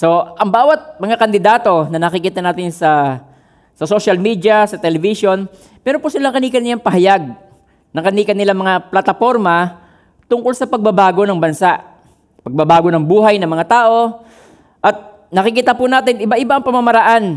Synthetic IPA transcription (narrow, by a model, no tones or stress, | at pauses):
so̞ʔɐŋbaːwɐt̪̚mɐŋakɐnd̪ɪd̪aːt̪o̞nɐnɐkɪkiːt̪ɐnaːt̪ɪnsɐ | sɐsoʃɐlmiːd̪jɐsɐt̪ɛlɛvɪso̞n | pɛːɾopʊsɪlaŋkɐniːkɐnɪlaŋpɐɦɐjaɡ̚ | nɐŋkɐniːkɐnɪlaŋmɐŋaplɐt̪ɐfo̞ɾmɐ | t̪ʊŋkolsɐpɐɡ̚bɐbaːɡo̞nɐŋbɐnsaʔ | pɐɡ̚bɐbaːɡo̞nɐŋbuːɦɐjnɐŋmɐŋat̪aːʔo̞ | ʔɐt̪̚ | nɐkɪkit̪apʊnaːt̪ɪnʔɪbaʔɪbaʔɐŋpɐmamɐɾɐʔan